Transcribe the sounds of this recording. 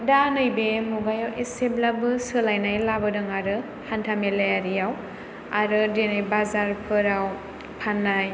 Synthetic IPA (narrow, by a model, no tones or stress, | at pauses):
danɯjbemuɡajawʔeseblabɯsɯlajnajlabɯdɯŋaɾɯ | hantʰamelejaɾijaw | aɾɯdenajbazaɾpʰɯɾaw | pʰanːaj